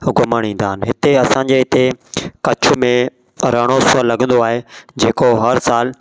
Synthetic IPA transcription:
ɡʊməɽ̃ĩːn̆d̪aːɦɪnɦɪt̪eɐsãɲd͡ʑeɦɪt̪ekɐt͡ɕʰʊmẽ | ɾəɽ̃osʊəlːɐɡə̃n̆d̪oaːɦed͡ʑeːkoɦɐɾsaːl

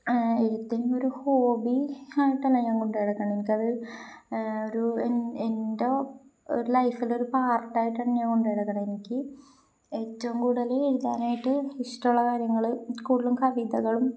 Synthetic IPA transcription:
eɾut̪ːinumo̞ɾuho̞ːbiaːjiʈːɐlːɐɲaːŋko̞ɳɖeɽɐkːɐɳɐmenikʲːɐðɨ | oɾuenende | o̰ɾulɐjfileo̞ɾupaːrʈːaːjiʈːaːɳɨɲaːŋko̞ɳɖɐɽɐkːɐɳɐenikʲːɨ | et͡ɕːɐmkuːɽɐleeɻuðaːnaːjiʈːɨhiʂʈuɭːɐkaːɾjɐŋːɐɭɨkuːɽilumkʰɐʋid̪ɐɣɐɭum

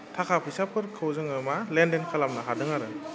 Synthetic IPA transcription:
tʰakʰapʰɯjsapʰɯɾkʰɯwzɯŋɯmalendenkʰalamnaɦadɯŋaɾɯ

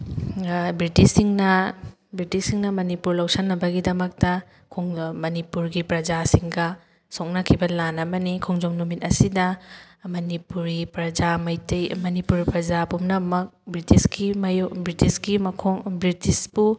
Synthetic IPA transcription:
bɾitisːiŋnɐ | bɾitisːiŋnɐmɐnipuɾlawsɐnːɐbɐɡidɐmɐk̚tɐ | kʰoŋmɐnipuɾɡipɾɐd͡ʒasiŋɡɐ | sok̚nɐkʰibɐlanɐbɐnikʰoŋd͡ʒomnumit̚ɐsidɐ | mɐnipuɾɡipɾɐd͡ʒamɐjtɐjmɐnipuɾpɾɐd͡ʒapumnɐmɐk̚bɾitiskimɐjɔbɾitisɡimɐkʰoŋbɾitisbu

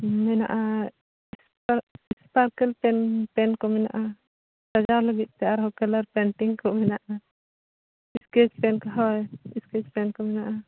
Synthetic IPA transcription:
mɛna̰ʔa | spaɾispaɾkɛlpɛnpɛnkɔmɛna̰ʔa | t̪ad͡ʒaɾləɡit̪̚ˀt̪ɛaɾɦɔkɛlaɾpɛɳʈiŋkɔmɛnaʔa | iskɛt͡ʃpɛnkaɦawjiskɛt͡ʃpɛnkɔmɛnaʔa

